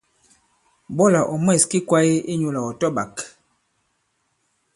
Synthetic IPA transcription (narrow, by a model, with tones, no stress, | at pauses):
bɔ˦la˨ʔɔ˨mwɛ˦˨ski˦kwa˦je˦i˦ɲu˨la˨ɔ˨tɔ˦ba˨k